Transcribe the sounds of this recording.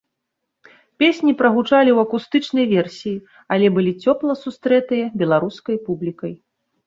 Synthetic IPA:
pʲesʲnʲipɾɐɣut͡ʂalʲiwɐkust̪ɨt͡ʂnɐjvʲɛrsʲiji | ɐlʲɛbɨlʲit͡sʲɔplˠɐsust̪ɾɛt̪ɨjɐbʲɛlˠaɾuskɐjpublʲikɐj

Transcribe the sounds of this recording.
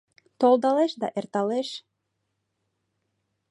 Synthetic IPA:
t̪olˠd̪ɑlˠeʃd̪ɑʔeɾt̪ɑlˠeʃ

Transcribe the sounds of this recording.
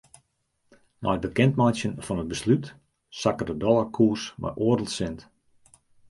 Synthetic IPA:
nɔ̰j̚bəkɛntmajsjənfɔnət̚bəslyt | sakədədɔlˠakʰuːrsma̰jʔoərdəl̩ˠsɪnt

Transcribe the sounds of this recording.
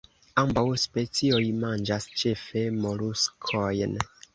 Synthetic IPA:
ambawspet͡siojmand͡ʒast͡ʃe̞fe̞moluskʰojn

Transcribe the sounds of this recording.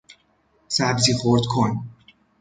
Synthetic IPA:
sæbziːχoɾd̪kʰon

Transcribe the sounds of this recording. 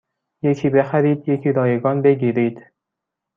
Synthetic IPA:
jekʰiːbexæɾiːd̪jekʰiːɾɒːjeɡɒːnbeɡiːɾiːd̪̥

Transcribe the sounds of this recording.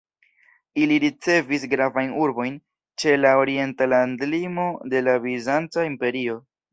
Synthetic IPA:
iliɾit͡se̞visɡɾavajnuɾbo̞jn | t͡ʃe̞laoɾie̞ntalandlimo̞de̞lavizant͡saimpe̞ɾio̞

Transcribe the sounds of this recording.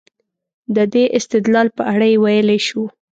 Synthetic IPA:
d̪əd̪eʔɪst̪ɪd̪lɑlpəʔaɽajewajəleʃu

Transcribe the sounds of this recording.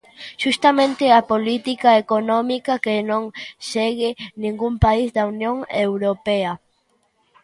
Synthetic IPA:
ʃust̪ɐmẽnt̪ɪɐpolit̪ikaekonɔmikɐkenõŋseɣɪnĩŋɡumpaizd̪ɐunjoŋewɾopeɐ

